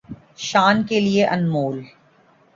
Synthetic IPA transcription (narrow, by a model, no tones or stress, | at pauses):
ʃaːnkelieʔɐnmoːl